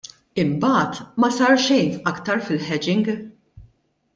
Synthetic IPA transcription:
ɪmbɐːt̪mɐsɐɾʃɛjnɐkt̪ɐɾfɪlħɛd͡ʒɪŋɡ

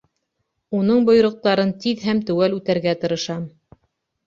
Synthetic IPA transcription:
unɤɴbŏj̆ɾŏq̚t̪ɑɾɤnt̪iðɦæmt̪ʉwælʉt̪æɾɡæt̪ɤ̆ɾɤ̆ʃɑm

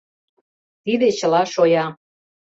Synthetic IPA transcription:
t̪id̪et͡ɕə̆lɑʃojɑ

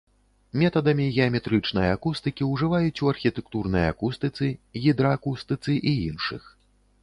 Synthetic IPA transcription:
mʲɛt̪ɐd̪ɐmʲiɣʲɛɐmʲɛt̪ɾɨt͡ʂn̪ɐjakust̪ɨkʲiwʐɨvajut͡sʲuɐrxʲit̪ɛkt̪urnɐja̰kust̪ɨt̪sɨɣʲid̪ɾɐːkust̪ɨt̪sɨʔiinʂɨ̰x

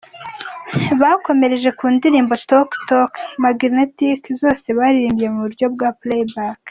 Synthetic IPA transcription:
βaːko̞me̞ɾe̞ʒe̞kuːndiɾiːmbo̞toktokmaɡɾnetikzo̞ːse̞βaɾiɾiːmbije̞muβuɾɟo̞bɡaplebak

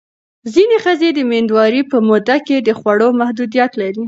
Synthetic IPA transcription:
zinexəzed̪əmend̪wɑɾipəmod̪aked̪əxwaɽomahd̪ud̪ijat̪laɾi

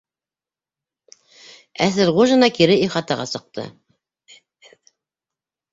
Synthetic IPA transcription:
æsɘɾʁuʒɤ̆nɑkiɾɘiχɑt̪ɑʁɑ̰sɤ̆q̚t̪ʰɤ̰

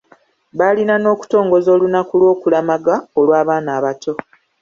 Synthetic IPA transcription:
βalinano̞ːku̥to̞ːŋɡo̞zo̞ːlunakulwo̞ːkulamaɡaolwaːβaːnaːβato̞

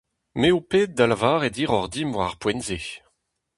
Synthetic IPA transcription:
meupeːt̚d̪alavaːʁed̪iːʁɔʁd̪imvwaʁpwɛ̃nze

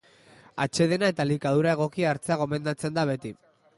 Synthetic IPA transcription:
a̰t͡ʃe̞ð̞e̞nae̞t̪alikað̞uɾae̞ɣ̞o̞kiaːɾt͡seaɣ̞o̞me̞nd̪at͡se̞nd̪aβe̞t̪i

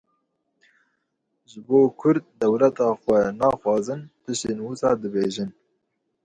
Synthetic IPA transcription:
ʒɨboːkʰʊɾd̪̚ːɛwlɛt̪ɑːxʷɛnɑːxwɑːzɨnt̪ʰɨʃt̪eːnwusɑːd̪ɨbeːʒɨn

